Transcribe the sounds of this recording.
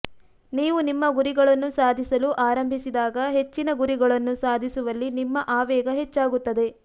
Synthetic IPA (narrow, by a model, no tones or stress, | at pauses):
niːʋunimːɐɡuɾiɡɐɭɐnːusaːd̪ʱisɐluʔaːɾɐmbʱisid̪aːɡɐɦe̞t͡ʃːinɐɡuɾiɡɐɭɐnːusaːd̪ʱisuʋɐlːinimːɐʔaːʋɛːɡɐɦe̞t͡ʃːaːɡut̪ːɐd̪e̞